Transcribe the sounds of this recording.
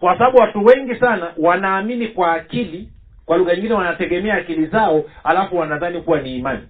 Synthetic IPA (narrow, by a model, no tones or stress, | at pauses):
kwasaɓaɓuwatuwɛŋɡisanawanaːminikwaːkili | kwaluɣaɲiŋɡinɛwanatɛɠɛmɛaːkilizaɔalafuwanaðanikuwaniːmani